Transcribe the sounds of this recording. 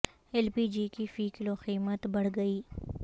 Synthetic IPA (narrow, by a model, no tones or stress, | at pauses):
ɛlpiːd͡ʒikifiːkloxiːmət̪bɐɽ̤ɡɐiː